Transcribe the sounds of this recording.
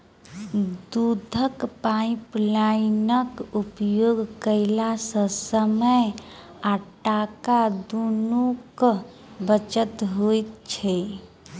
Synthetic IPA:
d̪ud̪ʱəkpaĩplainəkupjoɡkəɪlasə̃səməj | aʈakad̪onuk | bət͡ʃət̪ɦojt̪t͡ʃʰɛ

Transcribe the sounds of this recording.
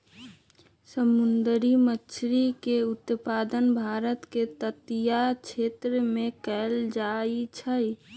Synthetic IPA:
səmʊnd̪ɾimət͡ʃʰɾikeʊt̪paːd̪ənbʱaːɾət̪ket̪ət̪jat͡ʃʰet̪ɾəmẽkəld͡ʒait͡ʃʰə

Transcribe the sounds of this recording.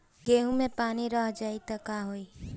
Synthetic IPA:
ɡeːɦũmẽpaːniɾəɦd͡ʒaːit̪əkaɦoːiː

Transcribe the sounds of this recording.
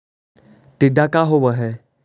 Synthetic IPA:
ʈiɖakaɦobəɦɛ

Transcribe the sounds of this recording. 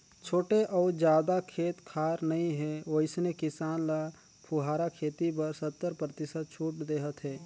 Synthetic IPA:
t͡ʃʰoːʈeʔɔːɾd͡ʒjaːd̪akʰeːt̪kʰaːɾnəɦĩɦɛoɪsnekɪsaːnla | pʰuɦaːɾakʰeːt̪ibəɾsət̪ːəɾpɾət̪ɪsət̪̚t͡ʃʰuːʈd̪eːɦət̪ɦɛː

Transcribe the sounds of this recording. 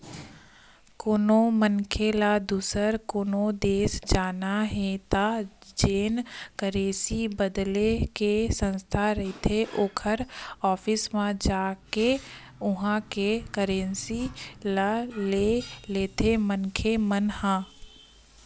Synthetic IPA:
koːnomənkʰelad̪uːsəɾkoːnod̪eːsd͡ʒaːnaɦɛ̃t̪ad͡ʒeːnkəɾeːsibəd̪lekesə̃nst̪ʰaɾɛɦit̪ʰeʔoːkʰəɾɔːfɪsmãd͡ʒaːke | ʊɦãkekəɾẽnsilaleleːt̪ʰemənkʰemənhãː

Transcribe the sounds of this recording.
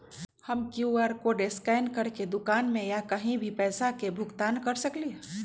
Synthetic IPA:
həmkjuəɾkoɖeskaɪnkəɾked̪ʊkaːnmẽjakəɦĩbʱipɛːsakebʱʊɡt̪aːnkəɾsəkli

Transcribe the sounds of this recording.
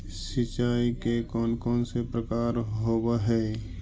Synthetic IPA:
sɪt͡ʃaːikekɔːnkɔːnsepɾəkaːɾɦoːbaɦɛː

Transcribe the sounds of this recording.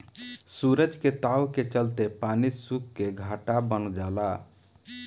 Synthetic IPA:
suɾəd͡ʒket̪awket͡ʃəlt̪epaːnisukːeɡʱaːʈabənd͡ʒaːla

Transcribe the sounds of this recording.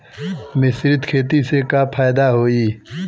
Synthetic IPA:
mɪsɾɪt̪kʰeːt̪isekapʰaːjd̪aɦoːiː

